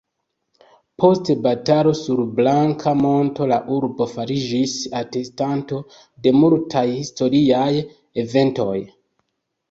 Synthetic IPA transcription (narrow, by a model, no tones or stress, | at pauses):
pʰo̞stebatalo̞suɾblaŋkʰamo̞nto̞laʔuɾbo̞faɾid͡ʒisate̞stanto̞ | de̞multʰajhisto̞ɾiaj | e̞ve̞nto̞j